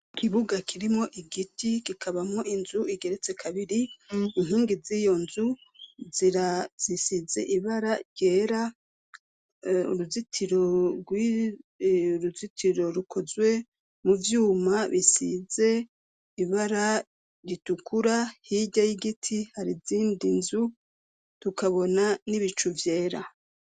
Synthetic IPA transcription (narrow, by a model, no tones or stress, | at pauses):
kʰiβuɡakʰiɾimŋo̞ʔiɡitʰikikʰaβamŋo̞ʔinzuiɡe̞ɾet͡se̞kʰaβiɾiːnɦiːŋɡizijo̞nzuziɾazisize̞̰ʔiβaɾaɟeːɾa | ṵɾuzitʰiɾoɡwi | uɾuzitʰiɾo̞ɾukʰo̞zwe̞ | muvjuːmaβisize̞ | iβaɾa | ɾitukʰuɾahiɟajiɡitʰihaɾiziːndinzu | tukaβo̞naniβit͡ʃuvje̞ːɾa̰